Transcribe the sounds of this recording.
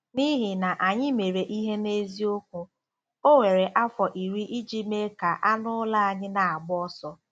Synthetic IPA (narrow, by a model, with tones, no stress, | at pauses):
ni˦ɦi˨na˨ʔa˨ɲɪ˦me˨ɾe˨ʔi˦ɦe˦ne˦zi˦o˦kʷʊ˦ | o˦we˨ɾe˨ʔa˦fɔ˨ʔi˨ɾi˦ʔi˦d͡ʒi˦me˦ka˨ʔa˦nʊ˦la˦a˨ɲɪ˦na˨a˨ɡ͡bɔ˦sɔ˦